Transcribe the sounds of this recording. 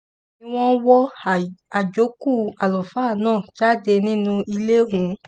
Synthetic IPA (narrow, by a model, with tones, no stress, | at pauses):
ĩ˧w̃ɔ̃˦wɔ˦a˨d͡ʒo˨˦ku˦˨a˨lɔ˨fa˦˨nãː˦˨d͡ʒa˦de˧nĩ˦nũ˧i˧le˦ɦũ˨˦